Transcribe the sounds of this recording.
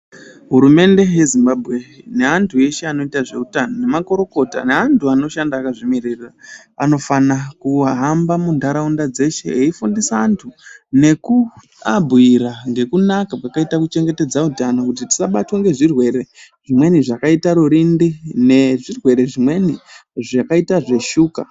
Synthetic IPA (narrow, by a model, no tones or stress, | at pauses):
ɦuɾume̞nde̞je̞zimbabʱɣe̞ne̞antʰue̞ʃe̞ano̞itaʐe̞utanone̞mako̞ɾo̞ko̞ta̰ne̞antʰuano̞ʃandaːkaʐimirirra | ano̞fanakuɦambamundaɾaundad͡ze̞ʃe̞̰eifundisaːntʰune̞ku | abʱuiɾaŋɡe̞kunakapwakaitakut͡ʃe̞ŋɡe̞te̞d͡zautanokut̬iti̥saɓatwaŋɡe̞ʐirwe̞ɾe̞ | ʐ̥imwe̞niʐakaitaɾuɾindine̞ʐirwe̞ɾe̞ʐimwe̞niʐakaitaʐe̞ʃuːka